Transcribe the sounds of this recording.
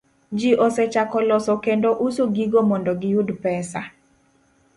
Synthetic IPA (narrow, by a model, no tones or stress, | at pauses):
d͡ʒiʔɔsɛt͡ʃakɔlɔsɔkendoʔusoɡiɡomɔndɔɡɪjudpɛsa